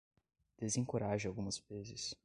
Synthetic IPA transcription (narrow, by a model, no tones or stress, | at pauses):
d̪̥ezẽŋkoɾaʒɪawɡũmɐspezɪs